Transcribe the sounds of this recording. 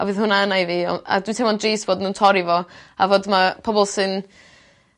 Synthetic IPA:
ɔ̰vɨːðhʊnaənajviɔ̰a̰dwintʰɛmɔndriːsb̥oːdənuːntʰɔɾivɔavoːdmapʰɔbɔlˠsɨn

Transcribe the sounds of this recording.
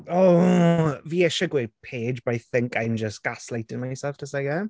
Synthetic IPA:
ɔ | viːɛʃɔɡwepʰeːd͡ʒbajθɪŋkʰajmd͡ʒəstɡ̥aslˠejtɪnmajsɛftʰəsaɡɛ

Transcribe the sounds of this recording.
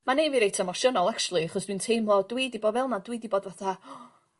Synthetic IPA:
manejviɾejtʰamɔʃənɔlˠak̚t͡ʃulˠiaχɔsd̥wintʰejmlˠɔdwiːdiboːdvɛlˠmadwidiboːdvaθa

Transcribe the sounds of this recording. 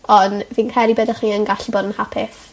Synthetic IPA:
ɔnvinkʰɛɾibədaχmiːənɡaɬiboːdənhapʰɪθ

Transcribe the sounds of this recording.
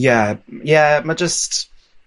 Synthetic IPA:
jæjæmḁd͡ʒʌst

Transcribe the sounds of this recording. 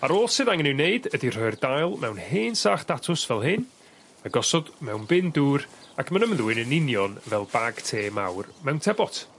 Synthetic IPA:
aɾoːlˠsɨðaŋənɪwneɨdədir̥ɔɨrdajlˠmɛwnheːnsaːχd̥atʰʊsvɛlˠɦɨn | maɡɔsɔdmɛwnbɪnduːrakʰmanəmðuɨnənɪnjɔnvɛlˠbaɡ̥tʰeːma̰wrmɛwntʰɛbɔtʰ

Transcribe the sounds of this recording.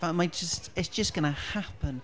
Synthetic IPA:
vamad͡ʒəstɪtsd̥ʒ̥əsɡ̥ʌnəhapʰə̃n

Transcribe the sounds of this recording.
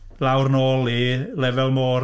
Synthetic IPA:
lawrnoːlˠilɛvɛlˠmoːr

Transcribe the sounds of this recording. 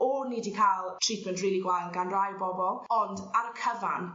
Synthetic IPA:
ɔniːdikʰalˠtʰripʰməntriːlˠiɡwajlˠɡanrajbɔbɔlˠɔndaɾəkʰəva̰n

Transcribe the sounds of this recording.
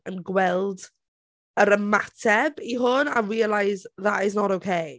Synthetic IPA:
ənɡwɛlˠd | əɾəmatʰɛbiɦʊnaɹiːəlˠajzðaʔɪs̬nɔɾowkʰej

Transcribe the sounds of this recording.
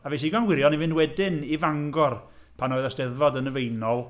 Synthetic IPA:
avejʃ̬iɡanwɪɾjɔnivɪndwɛdɪnivaŋɡɔrpʰanoɨðasd̥ɛðvɔdənəvejnɔlˠ

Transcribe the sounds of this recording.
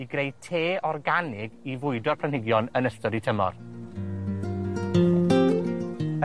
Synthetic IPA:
iɡrejtʰeːʔɔrɡanɪɡivʊɨdɔrpʰl̥anhɪɡjɔnənəstɔɾitʰəmɔ̰r

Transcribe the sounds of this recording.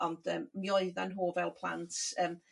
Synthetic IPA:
ɔnd̥əːmmjɔɨðanɦoːvɛlˠpʰl̥ˠa̰ntʰəːm

